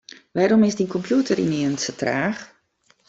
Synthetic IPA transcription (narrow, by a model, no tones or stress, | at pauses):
ʋaɾomɪsdinkʰɔmpʰjutəɾḭniənsətraːx